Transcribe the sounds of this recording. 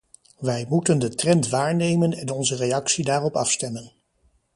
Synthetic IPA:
ʋɛjmutəndətrɛntʋaːɹnejmənɛnɔnzərejɑksidaːrɔpɑfstɛmən

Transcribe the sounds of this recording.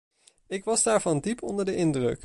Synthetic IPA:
ɪkʋɑzdaːɹvɑndipʰɔndəɹdəʔɪndrɵ̰k

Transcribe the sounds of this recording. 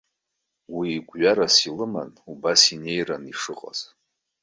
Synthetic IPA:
wiːɡʷɥaɾasilɨma̰nubasine̞jraniʂɨqʼa̰z̥

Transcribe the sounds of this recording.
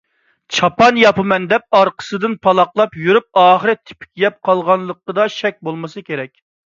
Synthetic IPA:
t͡ʃʰɑpɑnjɑpɨmɛnd̪ɛp̚ɑɾqʰə̥sɨd̪ɨnpʰɑlˠɑqlˠɑpjyɾyp̚ɑːχəɾɪt̪ʰɪ̥pʰɪ̥kʲjɛp̚qʰɑlˠʁɑnlˠəqːəd̪ɑʃɛk̚ʲbolˠmɨsɨkʲeɾɛkʲ

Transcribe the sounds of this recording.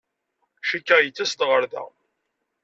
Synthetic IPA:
ʃikːajət͡sːæst̪ʁəɾðæ̰

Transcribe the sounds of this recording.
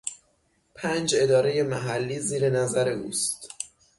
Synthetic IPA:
pʰænd͡ʒe̞d̪ɒːɾe̞je̞mæɦælːiːziːɾe̞næzæɾe̞ʔuːst̪

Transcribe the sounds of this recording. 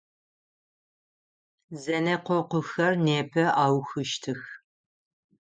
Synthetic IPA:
zɐnɐqʷɔqʷʊxɐrneːpʰɐʔaːwxɨʃtʰɨx

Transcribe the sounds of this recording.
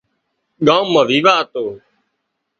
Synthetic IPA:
ɠãːmːəʋiːʋaːt̪oː

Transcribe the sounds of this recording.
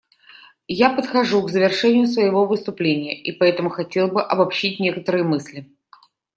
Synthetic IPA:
japət̪xɐʐukzəvʲɪrʂɛnʲɪjʊsvəjɪvo̞vɨst̪ʊplʲenʲɪjəʔipɐɛt̪əmʊxɐtʲe̞lˠbɨʔɐbɐpɕit̚ʲnʲe̞kət̪əɾɨjəmɨsʲlʲɪ

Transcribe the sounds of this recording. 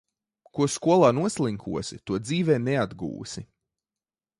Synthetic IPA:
kuɔskuɔlˠaːnuɔslˠiŋkʰṵɔsit̪uɔd̪ziːvɛːnɛad̪ɡṵːsi

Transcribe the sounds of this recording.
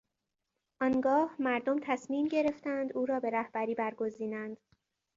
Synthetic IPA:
ʔɒnɡɒːhmæɾd̪omt̪ʰæsmiːmɟe̞ɾe̞ft̪ænd̪uːɾɒːbe̞ɾæhb̥æɾiːbæɾɡo̞ziːnænd̪̥

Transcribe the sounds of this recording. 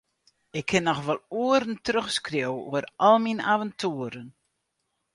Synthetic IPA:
ɪkʰːɪnɔxʋɔlˠuəɾəntrøxskrjowṵərʔɔlˠminaːvəntʰuəɾən

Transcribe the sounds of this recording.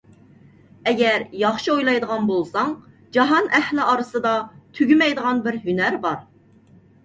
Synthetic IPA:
ɛɡʲɛɾjɑχʃiojlˠɑjd̪əʁɑnbolˠsɑŋ | d͡ʒɑɦɑnɛhlɪʔɑɾɨsɨd̪ɑt̪ʰyɡʲymɛjd̪əʁɑnbɪɾɦynæɾbɑɾ

